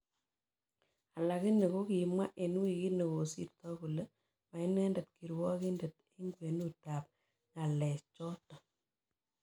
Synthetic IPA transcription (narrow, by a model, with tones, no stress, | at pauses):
a˨la˨ki˦ne˨ko˦ki˨mwa˦ʔe˨nu˦i˨ki˦nə˨ko˨sḭ˦˨ɾtɔ˦ku˨lə˦ | ma˨ɪ˦nɛ˦ndɛ˨t̚ki˨ɾwɔ˦ki˦ndə˨t | e˦ŋɡwe˨nu˦ta˨p̚ | ŋa˨lɛ˨st͡ʃɔ˦tɔ˨